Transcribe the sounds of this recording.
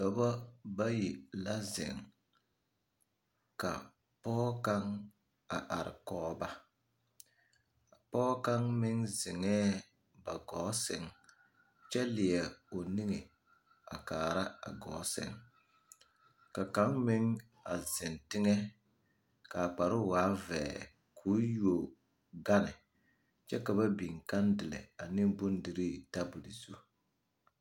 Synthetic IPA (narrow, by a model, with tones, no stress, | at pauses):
dɔ˨bɔ˦ba˦ji˨la˦zɪ̰˨ŋ | ka̰˨ | pɔː˦ka˦ŋ | a˨ʔa˨ɾɪ̰˨kɔː˦ba˦ | a˨pɔː˦ka˦ŋmɪ˦ŋzɪ˨ŋɛː˦ | ba˨ɡɔː˨˦sɪ˨ŋ | t͡ʃɛ˦lɪ˨ɛ˨o˨ni˦ŋe˨ | a̰˨kaː˨ɾa˦a̰˨ɡɔ̰ː˨˦sɪ̰˨˦ŋ | ka˨ka˨˦ŋmɪ˦ŋ | a˨zɪ˨ntɪ˦ŋɛ˦ | ka˨k͡pa˨ɾɪ˦waː˨˦vɛ̰ː˨ | kʰuː˨˦jo˨ | ɡa˦nɪ˨ | t͡ʃɛ˦ka˨ba˦bi˨ŋka˦ndɪ˨lɛ̰˨a˨nɪ˦bʊ˦n˦dɪ˨ɾi˦ta˦bu˨di˨su˦